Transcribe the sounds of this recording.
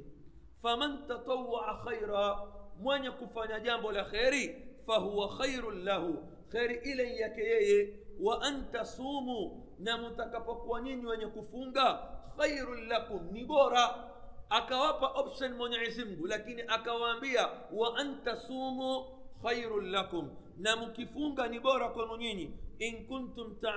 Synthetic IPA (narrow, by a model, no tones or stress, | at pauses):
famantat̪ˤɑwːaʕaxajɾamwɛɲɛkufaɲaʄambɔlaxɛɾifaɦuwaxajɾlahu | xɛɾiʔilɛijakɛjɛjɛwaʔantasuːmu | namutakapɔkuwaɲiɲiwɛɲɛkufuŋɡaxajɾnlakumniɓɔɾa | akawapaʔɔpʃɔnmwɔɲɛisim̩ɡulakiniʔakawaːmbiawaʔantasuːmu | xajɾʊnlakum | namukifuŋɡaniɓɔɾakwɛnɔɲiɲiiŋkuntumta